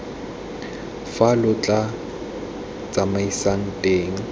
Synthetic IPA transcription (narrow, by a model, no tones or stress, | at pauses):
falʊt͡ɬʼa | t͡sʼamaisaŋ̩tʼeːŋ̩